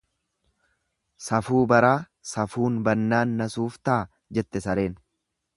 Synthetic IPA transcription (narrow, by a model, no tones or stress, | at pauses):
sɐfuːbɐɾaː | sɐfuːnbɐnːaːnːɐsuːft̪ɐaː | d͡ʒɛt̪ːɛsɐɾe̞ːn